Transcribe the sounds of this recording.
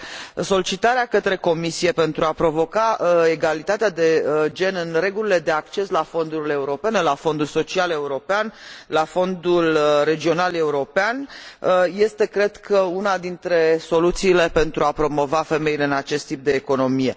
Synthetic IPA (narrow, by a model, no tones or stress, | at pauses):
so̞lit͡ʃit̪aɾeakət̪ɾe̞ko̞misije̞pe̞nt̪ɾuapɾo̞vo̞kaeɡalit̪at̪ead̪e̞d͡ʒe̞nɨnre̞ɡulile̞d̪e̞akt͡ʃe̞slafo̞nd̪uɾile̞uɾo̞pe̞ne̞lafo̞nd̪ulso̞t͡ʃiale̞uɾo̞peanlafo̞nd̪ulɾe̞d͡ʒio̞nale̞uɾo̞peanəje̞st̪e̞kɾe̞d̪kʰəunad̪int̪ɾe̞so̞lut̪siːle̞pe̞nt̪ɾuapɾo̞mo̞vafe̞me̞ile̞ɨnat͡ʃe̞st̪ːip̚d̪e̞ːko̞no̞mije̞̰